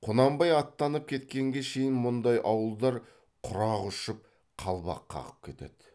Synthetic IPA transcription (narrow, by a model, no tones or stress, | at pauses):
qʰonɑmbɑjɑt̪ːɑnəp̚kʲʰe̞t̪kʲe̞ŋɡʲe̞ʃe̞jɪnmʊnd̪ɑjʔɑwəlˠd̪ɑɾ | qʰʊɾɑʁʊʃəp̚ | qʰɑlˠbɑ̰qʰːɑ̰ʁəp̚kʲʰe̞t̪e̞̰d̪̥ɪ